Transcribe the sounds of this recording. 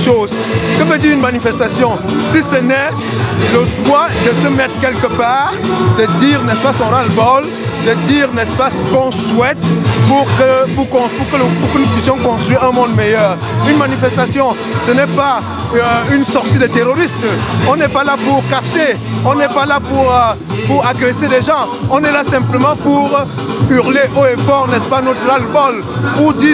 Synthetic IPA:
ʃoːz | kəvəd̪iʁynmanifɛst̪asjɔ̃ | sisənɛ | ləd̪ʁwad̪əsəmɛt̪ʁkɛlkəpaːʁd̪əd̪iːʁnɛspasɔ̃ɾalbɔl | d̪əd̪iːʁnɛspasəkɔ̃swɛt̪puʁkəpukɔ̃puʁkəpuʁkənupɥisjɔ̃kɔ̃st̪χʁwiʁɛ̃mɔ̃d̪mɛjœːʁ | ynmanifɛst̪asjɔ̃ | sənɛpa | ynsɔʁt̪id̪et̪eʁoʁist̪ɔ̃nɛpalapuʁkase | ɔ̃nɛpalapuʁ | puʁaɡʁeseleʒɑ̃ɔ̃nɛlasɛ̃pləmɑ̃puʁ | yʁleʔoefɔʁnɛspanot̪ʁalbɔl | puʁd̪iː

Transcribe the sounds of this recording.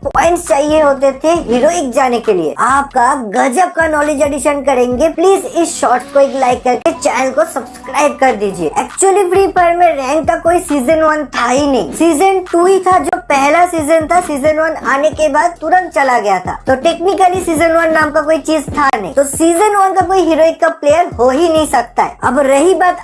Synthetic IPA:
pɔːɪ̃ɳʈst͡ʃaːɦieɦoːt̪et̪ʰeɦiːɾoːɪkd͡ʒaːnekelḭḛaːp̚kaɡɐd͡ʒəb̚kanɔːleːd͡ʒɛɖɪʃənkɐɾẽːŋɡepliːzɪsʃɔːɾʈskoeːklaːɪkːɐɾket͡ʃaːnəlkosɐbskɾaːɪb̚kɐɾd̪iːd͡ʒiḛːɛːkt͡ʃuəlifʰɾiːpʰɐɾmẽɾɛ̃ːŋkːakoːisiːzənʋɐnt̪ʰaːinɐɦḭ̃ːsiːzənʈuɦit̪ʰad͡ʒoːpɛɦlasiːzənt̪ʰasiːzənʋɐnaːnekebaːd̪̚t̪ʊɾə̃nt̪̚t͡ʃɐlaɡɐjat̪ʰa̰ːt̪oʈeːknɪkəlisiːzənʋɐnːaːmkakoːit͡ʃiːzt̪ʰanɐɦĩt̪osiːzənʋɐnkakoːiɦiːɾoːɪkːapleːjəɾɦoːɦinɐɦĩsɐk̚t̪aɦɛːɐbɾɐɦibaːt̪

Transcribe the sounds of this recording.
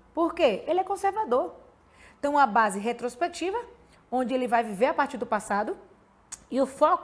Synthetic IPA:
poɾkeelɪɛkõseɾvad̪oɾ | t̪ẽj̃ũmɐbazɪɦet̪ɾospek̚t͡ʃivɐ | õd͡ʒɪelɪvajviveɾapaɾt͡ʃiɾd̪ʊpasad̪ʊ | iʊfɔk

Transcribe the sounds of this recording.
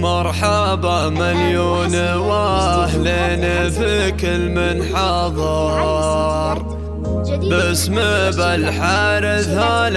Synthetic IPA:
mɑɾˤħɑ | ba | maljoːnwaħlenfɪkɪlmɪnħɑðˤɑ | ɾˤ | basmɪbalħaːɾɪðhal

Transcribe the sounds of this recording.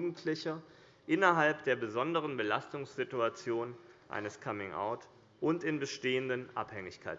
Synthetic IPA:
uːɡŋ̩tʰlɪçɐ | ʔɪnɐɦalpd̥eːɐbəzɔndəʁ̞ənbəlastʊŋsz̥ɪtuat͡sjoːnʔa̰ɪnəskʰamɪŋʔa̰ʊt | ʔʊntɪnbəʃteːəndənʔa̰phɛŋɪçkʰaɪt

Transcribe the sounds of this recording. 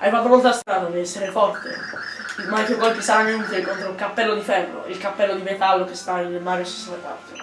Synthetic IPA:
avat̪ːomolt̪ast̪ɾaːd̪ad̪eɛsːeɾefɔrt̪ḛ | ilmakeɡɔjkisaanent̪ekont̪ɾoilkapːɛlːod̪ifɛrːo̰ilkapːɛlːod̪imet̪alːokest̪anːelmaːɾesi̥saneka̰t̪ːo

